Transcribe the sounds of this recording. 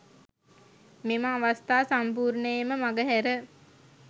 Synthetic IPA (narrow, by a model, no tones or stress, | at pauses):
meməaʋast̪aːsampuːɾnəjeməmaɡəɦæɾə